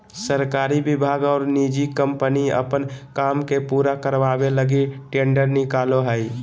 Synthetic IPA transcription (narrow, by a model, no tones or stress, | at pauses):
səɾkaːɾibɪbʱaːɡɔːɾnid͡ʒikəmpəniə̰pənkaːmkepuːɾakəɾʋabeləɡiʈẽːɳɖəɾnɪkaloɦəi